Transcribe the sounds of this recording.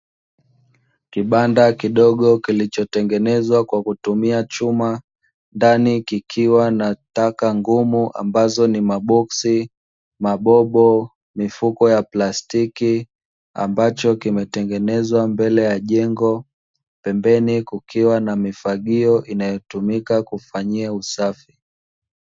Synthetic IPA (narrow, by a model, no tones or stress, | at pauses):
kiɓandakiɗɔɠɔkilit͡ʃɔtɛŋɡɛnɛzwakwakutumiat͡ʃuma | ndanikikʰiwanatakaŋɡumuʔa̰mbazɔnimaɓɔksi | maɓɔɓɔ | mifukɔjaplastiki | a̰mbat͡ʃɔkimɛtɛŋɡɛnɛzwambɛlɛjaʄɛŋɡɔ | pɛmbɛnikukʰiwanamifaɠiɔʔinajɔtumikakufaɲiausafi